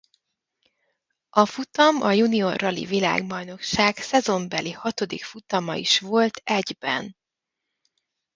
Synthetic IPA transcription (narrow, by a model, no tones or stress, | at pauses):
ɒfut̪ɒmɒjunio̞rɒlḭvila̰ːɡbɒjno̞kʃaːɡsɛzo̞mbɛlihɒt̪o̞d̪ḭkfut̪ɒmɒ̰ḭʃʋo̞lt̪ʰɛɟbɛ̰n